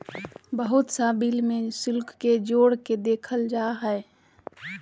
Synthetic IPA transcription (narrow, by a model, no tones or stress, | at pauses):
bəɦʊt̪saːbilmẽsɪlkːed͡ʒoːɽked̪eːkʰəld͡ʒaːɦɛː